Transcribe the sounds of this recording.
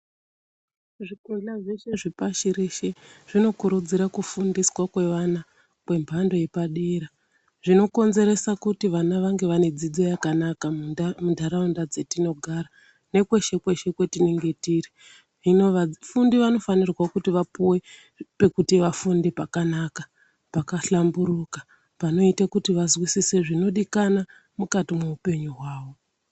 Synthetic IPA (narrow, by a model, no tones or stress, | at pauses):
ʐikunɮaʐeʃeʐipaʃiɾiʃeʐ̥ino̞kuɾud͡ziɾakufundiswakwe̞ʋana | kwe̞mbʱando̞je̞paɗeɾa | ʐino̞ko̞nze̞ɾe̞sakutiʋanaʋaŋɡe̞ʋane̞d͡zid͡zo̞jakanakamundʱaɾaundad͡ze̞tino̞ɡʱaɾa | ne̞kwe̞ʃe̞kwe̞ʃe̞kwe̞tineŋɡetire | ʐinoafundiʋano̞fanirwakutiʋapuwe̞ | pe̞kutiʋafundipakanaka | pakaɬambuɾukḁ | pano̞itakutiʋazwisise̞ʐino̞ɗikana | mukatimeupe̞ɲuɦwaːʋo̞